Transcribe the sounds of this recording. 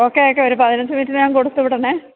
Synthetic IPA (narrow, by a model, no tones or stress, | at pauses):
o̞ːkːeoːkːeoɾupɐðinɐɲd͡ʑɐmiːtːinɨɲaːnkoɽut̪ːupːiʈːɐɳe